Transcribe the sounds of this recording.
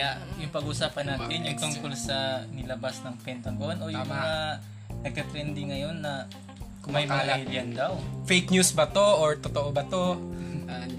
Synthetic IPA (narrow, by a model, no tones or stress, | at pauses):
jaʔjʊŋpɐɡuːsaːpɐnːaːt̪ɪnjʊŋt̪ʊŋkolsɐnɪlɐbasnɐŋpɛnt̪ɐɡo̞nʔo̞jʊŋmɐŋa | nɐɡ̚k̪ɐt̪ɾɛnd̪ɪŋɐjo̞nːɐ | kʊŋmajmɐŋaliljɐnd̪awfejk̚ɲjusbɐt̪oʔoɹt̪ot̪oʔobɐt̪o̞